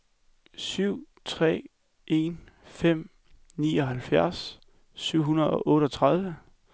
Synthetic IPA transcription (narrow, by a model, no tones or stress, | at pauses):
syʊ̰ | t͡sʰʁɛ̰ː | e̝nfem̰ | niːɒ̽ɦælfjæɐs | syʊ̰ɦunɐð̞̩ˠɒ̽ʔɔ̽ːɾəɒt͡sʰʁað̞ˠʋə